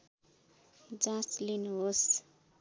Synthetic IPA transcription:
d͡zãslinuɦos

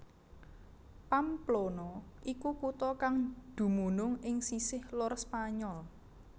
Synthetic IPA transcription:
pamplonɔʔikukut̪ɔkaŋd̪̥ṳmunʊŋɪŋsisɪhlʊrspaɲɔl

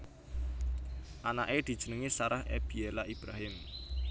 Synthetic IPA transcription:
ʔanaʔed̪̥i̤d̥ʒ̥ə̤nəŋisaɾahḛb̥ielaʔib̥ɾaɦɪm

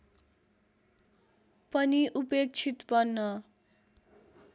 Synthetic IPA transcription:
pʌniʔupek̚t͡sʰit̪bʌnːʌ

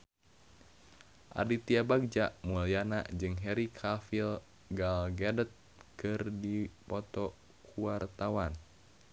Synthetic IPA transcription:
ʔa̰dit̪iabaɡ̚d͡ʒaʔmulijana̰d͡ʒɨŋɦɛɾikʰafil | ɡalɡadət̪̚ | kɨrdipɔt̪ɔ | kʰuart̪awan

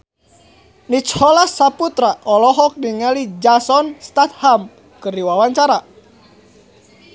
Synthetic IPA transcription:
nit͡ʃhɔlasːaput̪ɾaʔɔlɔɦɔk̚niŋalid͡ʒasɔnst̪at̪̚ham | kɨriwawaɲt͡ʃaɾa

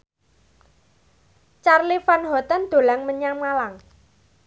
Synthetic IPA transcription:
t͡ʃarlifanɦɔt̪and̪̥o̤laŋməɲaŋːalaŋ

